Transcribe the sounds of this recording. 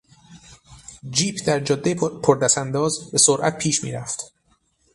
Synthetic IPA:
d͡ʒiːpʰd̪æɾd͡ʒɒd̪ːepʰoɾd̪æsænd̪ɒːzbe̞soɾʔæ̰t̪̚pʰiːʃmḭːɾæft̪

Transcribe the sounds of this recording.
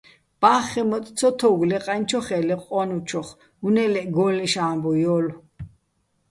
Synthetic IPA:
b̥aːχɛmɔt̪ʼt͡sʰɔt̪ʰɔɡlɛqʼant͡ʃʰɔχɛlɛqʼɔnut͡ʃʰɔχ | unɛlɛʔɡɔlɛʃaːmbɔjɔl

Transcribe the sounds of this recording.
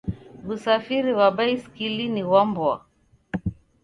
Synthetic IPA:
ɣusafiɾiwaɓaiskiliniwambwa̰

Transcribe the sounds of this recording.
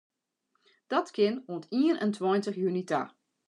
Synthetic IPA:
d̥ɑtkɪnɔntiːənʔɛ̰ntʰwajntəχjynita̰

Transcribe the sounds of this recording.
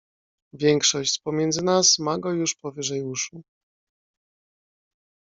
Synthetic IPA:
vʲjɛŋkʂɔɕt͡ɕspɔmʲjɛnd̪zɘnasmaɡɔjuʂpɔvɘʐɛjuʂu

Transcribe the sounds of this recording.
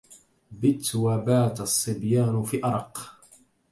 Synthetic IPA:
bɪt̪wabaːt̪ɑsˤːɨbjaːnfiːʔɑɾˤɑq

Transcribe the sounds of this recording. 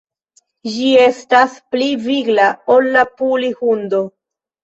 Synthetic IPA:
d͡ʒie̞staspliviɡlaolːapulihundo̞

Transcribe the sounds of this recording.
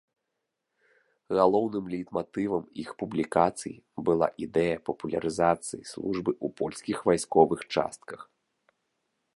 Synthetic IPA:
ɣalˠɔwnɨmlʲit̪mat̪ɨvɐmixpublʲikat̪sɨ̰jḭ | bɨlˠa̰ʔid̪ɛjɐpɐpulʲɐ̰ɾɨzat̪sɨjislˠuʐbɨʔṵpɔlʲsʲkʲixvajskɔvɨxt͡ʂa̰st̪̚kɐx

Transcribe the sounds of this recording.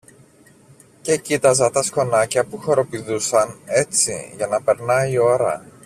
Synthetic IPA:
ce̞cit̪ɐzɐt̪ɐsko̞nɐcɐpuxo̞ɾo̞piðusɐne̞t͡sḭʝɐnɐpe̞ɾnɐio̞ɾɐ̰

